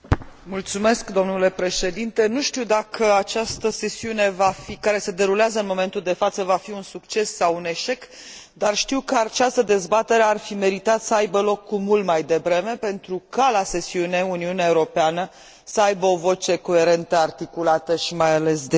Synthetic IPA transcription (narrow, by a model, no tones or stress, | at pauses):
mult̪sume̞skd̪o̞mnule̞pɾe̞ʃe̞d̪int̪e̞nuʃt̪iwd̪akʰəat͡ʃast̪əse̞siune̞vafikaɾe̞se̞d̪e̞ɾuleazəɨnmo̞me̞nt̪uld̪e̞fat̪səvafiunsukt͡ʃe̞sːawune̞ʃe̞k | d̪arʃt̪iwkəat͡ʃast̪əd̪e̞zbat̪e̞ɾearfime̞ɾit̪at̪səajbəlo̞kːumult̪majd̪e̞bɾe̞me̞pe̞nt̪ɾukalase̞siuneuniuneaeuɾo̞peanə | səajbəo̞vo̞t͡ʃe̞ko̞e̞ɾe̞nt̪əart̪ikulat̪əʃimajale̞sd̪e